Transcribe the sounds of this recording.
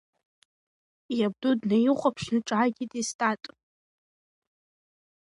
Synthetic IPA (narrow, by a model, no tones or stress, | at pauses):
jab̚dudnajɪχʷʼapʰʃnɨʈ͡ʂʼʕaɡʲidʼistʼatʼ